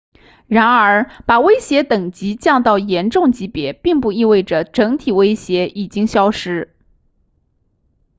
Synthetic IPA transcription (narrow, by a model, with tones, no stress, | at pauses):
ɻa˧˥nə˞˧˥pa˨˩we˥ɪɕjɛ˧˥t̪ɤ˨˩ŋt͡ɕi˧˥t͡ɕjɑ˥˧ŋt̪ɑ˥˩ʊjɛ˧˥nʈ͡ʂʊ˥˩ŋt͡ɕi˧˥pjɛ˧˥pi˥˧ŋpu˥˧i˥˧we˥˩ɪʈ͡ʂə˩ʈ͡ʂɤ˧˥ŋt̪ʰi˨˩we˥ɪɕjɛ˧˥ʔi˨˩t͡ɕi˥ŋɕjɑ˥ʊʂɻ̩˥